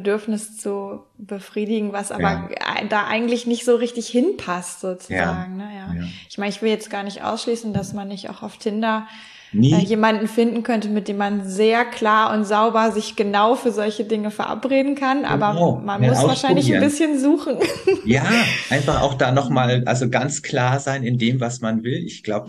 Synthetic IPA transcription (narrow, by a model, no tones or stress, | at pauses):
bədʏɐfnɪst͡su | bəfʁ̥iːdɪɡŋ̩vasʔa̰ːbɐa̰daːʔa̰ɪɡŋ̩tlɪçnɪçtz̥oːʁɪçtɪçhɪnpʰastz̥oːt͡suzːaːɡŋ̩nəjaːɪçmaɪnəɪçv̥ɪljɛt͡stɡ̥aːɐnɪçtʔa̰ʊsʃliːsn̩dasmanːɪça̰ʊxaʊftʰɪndɐ | ɛjeːmandn̩fɪndn̩kʰœntəmɪt̚d̥eːmːanzeːɐkʰl̥aːɐʔʊntz̥aʊbɐzɪçɡ̥ənaʊfyːɐzɔlçədɪŋəfɛɐʔa̰pʁeːdn̩kʰanʔa̰ːbɐmanmʊsvvaːʃaɪnlɪçnːbɪsçənzuːχn̩jaːʔaɪnfaχa̰ʊxd̥aːnɔχmaːlʔa̰lzoɡant͡skʰl̥aːɐzaɪnɪndeːmvasmanvɪlɪçɡ̥laʊbə